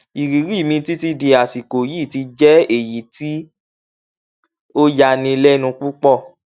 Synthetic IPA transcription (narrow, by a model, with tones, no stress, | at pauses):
i˨ɾi˨˦ɾi˦˨mĩ˧ti˦ti˧de˨a˨si˨ko˨ji˦˨ti˧d͡ʒɛ˦e˨ji˨ti˦ | o˦ja˧nĩ˧lɛ˦nũ˧k͡pu˦k͡pɔ˦˨